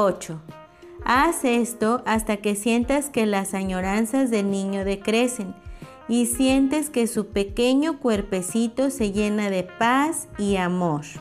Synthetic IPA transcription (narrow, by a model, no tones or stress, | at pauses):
ot͡ʃo | asest̪oʔast̪akesje̞nt̪askelasaɲoɾansazðe̞lniɲoðekɾesen | isje̞nt̪eskesupekeɲokweɾpesit̪ose̞ʝenaðepasiamoɾ